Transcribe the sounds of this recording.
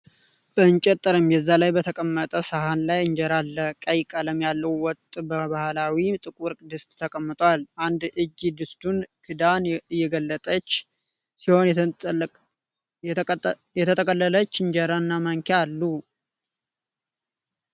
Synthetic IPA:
b̥əɨɲt͡ʃʼɛt̪ʼːɨɾɨmjɛzːalajbət̪ʰəkʼəmːət̪ʼəsahanlajɨɲd͡ʒɛɾalːəkʼəjkʼaləmjalːəwwɔt̪ʼbəβahlawit̪ʼɨkʼuɾkʼd̪ɨst̪ʼt̪ʰːəkʼəmːɨt̪ʼwalʔand̪ʔɨd͡ʒid̪ɨst̪ʰunkʰɨd̪anɨjːɛɡəlːət̪ʼət͡ʃː | siho̞n | jɛt̪ʰət̪ʰəkʼəlːələt͡ʃːɨɲd͡ʒɛɾanːaməŋkʰealːu

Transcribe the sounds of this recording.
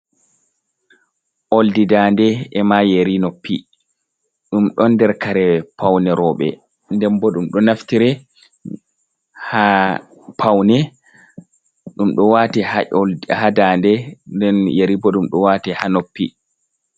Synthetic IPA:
ʔoldidandɛɛmajeɾinopːi | ɗumɗɔnːdɛɾkaɾɛpʰawnɛɾɔɓɛ̰ | ndɛmbɔɗumɗɔnaftiɾɛ | ha | pʰawnɛ | ɗumɗɔwatɛ | hadandɛndɛnjeɾibɔɗumɗɔwatɛhanopːḭ

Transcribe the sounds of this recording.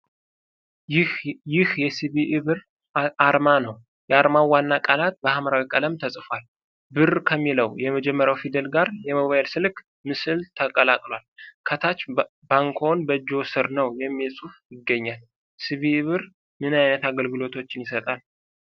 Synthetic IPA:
jɪhjɛsɨβiʔɨβɨɾ | ʔaɾmanəw | jɛaɾmawanːakʼalat̪̚bəhaməɾawikʼələmt̪ʰəsʼfwal | bɨrkʰəmːiləwjɛməd͡ʒɛmːəɾjawfid̪əlɡaɾjɛmoβajlsɨlk | mɨsɨlt̪ʰəkʼəlakʼlwalkʰət̪ʰat͡ʃː | baŋkʰo̞nbəd͡ʒo̞sɨɾnəwjɛmːesʼufjɪɡːəɲːal | sɨβiɨβɨɾ | mɨnajnət̪aɡəlɡɨlo̞t̪ʰo̞t͡ʃːɪnjɪsət̪ʼal

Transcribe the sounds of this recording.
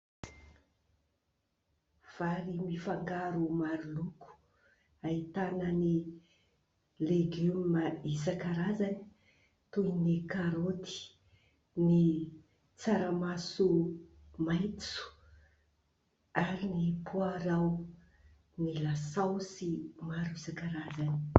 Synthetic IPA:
v̥aɾimifaŋɡaɾumaɾuluku̥ | ait̪anəni | leɡymməisakaɾazani̥ | t̪ujnikaɾot̪i̥ | ni | t͡saɾamasu | majt̪su̥ | aɾinipʰuaɾaw | nilasawsimaɾuisakaɾazani

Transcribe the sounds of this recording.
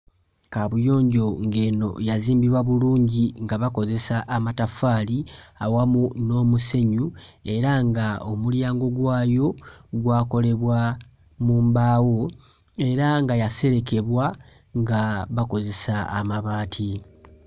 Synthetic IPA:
kaβujo̞ːɲɟo̞ŋɡe̞ːno̞̰jaziːmbiβwaβuluːɲɟiŋɡaβako̞ze̞saʔːmatafaːliawamuno̞ːmuse̞ɲue̞ɾaŋɡaomuljaːŋɡo̞ɡwaːjo̞ɡwaːko̞le̞βwa | muːmbaːwo̞ | e̞ɾaŋɡajase̞ɾe̞ke̞βwa | ŋɡaβako̞ze̞saːmaβaːtʰi

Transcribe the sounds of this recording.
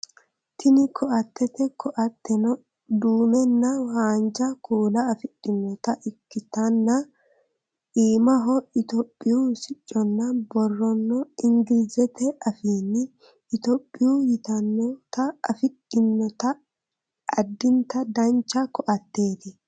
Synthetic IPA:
t̪ʰɪnɪkʰɔʔɐt̪ːɛt̪ɛkʰɔʔɐt̪ːɛnɔ | d̪uːmɛnːɐwaːnd͡ʒɐkʰuːlɐːfɪɗɪnːɔt̪ɐʔɪkːɪt̪ɐnːɐ | iːmɐɦɔɪt̪ɔpʼːɪjusɪt͡ʃʼːɔnːɐbɔrːɔnːɔɪŋɡɪlzɛt̪ɛɐfiːnːɪː | t̪ɔpʼːɪjujɪt̪ɐnːɔt̪ɐɐfɪɗɪnːɔt̪ɐ | ʔɐd̪ːɪnt̪ɐd̪ɐnt͡ʃːɐkɔʔɐt̪ːeːd̪ɪ

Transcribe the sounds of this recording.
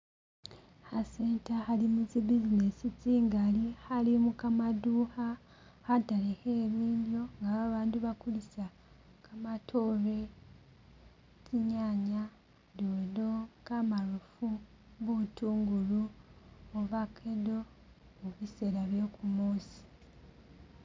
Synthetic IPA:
haseːntahalimuzibizinesit͡siːŋɡalihalimukamaduːha | hataleheːβiːnzoŋɡaβaβaːnduβakulisa | kʰamatʰoːβe̞ | cʰiɲaːɲa | dodo̞kamalufu | βutuːŋɡulu | oβakʰedo̞ | oβise̞ɾaβjo̞ːkʰumoːsi̥

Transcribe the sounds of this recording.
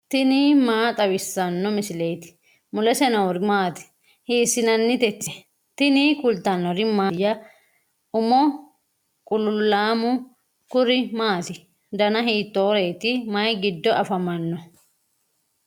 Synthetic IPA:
t̪ɪniːmaːt̪ʼɐwɪsːɐnːɔmɪsɪlɛjt̪ɪ̥ | mʊlɛsɛnɐwʊɾɪmaːt̪ɪ̥ | hiːsːɪnɐnːɪt̪ɛt͡ʃːɛ | t̪ɪnikʊlt̪ɐnːɔɾɪmaːjɐ | ʊmɔ | kʼʊlʊlːaːmʊ | kʊɾɪmaːt̪ɪ | d̪ɐnɐɦiːt̪ːoːɾeːt̪ɪmɐjɡɪd̪ːɔʔɐfɐmɐnːɔ

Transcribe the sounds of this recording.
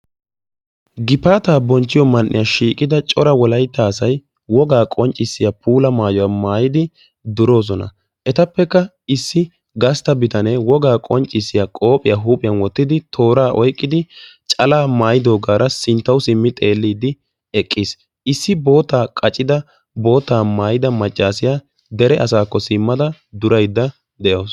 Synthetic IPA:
ɡɪpaːt̪aːbɔnt͡ʃːɪjɔmɐnʔːɪ̰jaʃiːkʼɪd̪ɐt͡ʃʼɔɾɐwɔlɐjt̪ːaːsɐj | wɔɡaːkʼɔnt͡ʃʼːɪsːɪjapʰuːlɐmaːjɔwamaːjɪd̪ɪ | d̪ʊɾo̞ːs̬ɔnɐ̰ | ʔɛt̪ɐpːɛkːɐ | ɪsːɪ | ɡɐst̪ɐbɪt̪ɐnɛwɔɡaːkʼɔnt͡ʃʼːɪsːɪjaːkʼo̞ːpʼɪjaːɦuːpʼɪjɐnwɔt̪ːɪd̪ɪt̪ʰo̞ːɾaːʔɔjkʼːɪd̪ɪt͡ʃʼɐlaːmaːjɪd̪o̞ːɡaːɾɐsɪnt̪ːɐwsɪmːɪt̪ʼe̞ːlːiːd̪ɪ | ɛkʼːiːs | ɪsːɪbo̞ːt̪ːaːkʼɐt͡ʃʼːɪd̪ɐ | bo̞ːt̪ːaːmaːjɪd̪ɐmɐt͡ʃʼːaːsɪja | d̪ɛɾɛʔɐsaːkːɔsɪmːɐd̪ɐ | d̪ʊɾɐjd̪ːɐ | d̪ɛjoːs

